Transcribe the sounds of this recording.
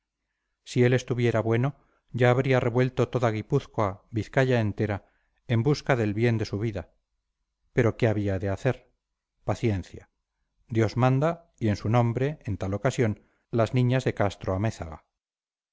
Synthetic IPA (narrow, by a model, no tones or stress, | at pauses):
sie̞le̞st̪uβje̞ɾaβwe̞no̞ | ʝaːβ̞ɾiare̞βwe̞lt̪o̞t̪o̞ðaɣ̞ipuθkoaβiθkaʎae̞nt̪e̞ɾa | embuskaðe̞lβje̞nd̪e̞suβ̞iða | pe̞ɾo̞ke̞aβiaðe̞aθe̞ɾ | paθje̞nθja | d̪jo̞zmãnd̪a | ie̞nsunõ̞mbɾe̞ent̪alo̞kasjo̞n | laznĩɲazðe̞kast̪ɾoameθa̰ɣa̰